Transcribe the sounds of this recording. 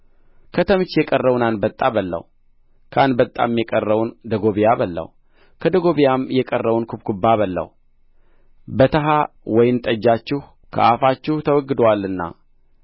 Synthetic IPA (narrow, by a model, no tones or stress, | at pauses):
kʰət̪ʰəmt͡ʃːjɛkʼərːəwunanbət̪ʼːabəlːə̰w | kʰanbət̪ʼːa̰mjɛkʼərːəwnd̪əɡo̞βijabəlːə̰w | kʰəd̪əɡo̞βijamjɛkʼərːəwunkʰubkubːaβəlːə̰w | bət̪ʰəɦa | wɔjɪnt̪ʼəd͡ʒːat͡ʃːɪh | kʰə̰ʔafat͡ʃːɪht̪ʰəwɔɡːɨd̪walːɨnːa̰